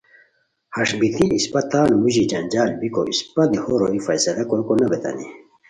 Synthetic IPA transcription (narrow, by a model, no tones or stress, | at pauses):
hɐʂbit̪ʰiispɐt̪aːnmuʑid͡ʑɐnʲd͡ʑaːlbiko̰ʔispɐd̪ihoɾoːifɐsɐlɐkokonɐbet̪ɐ̰nḭ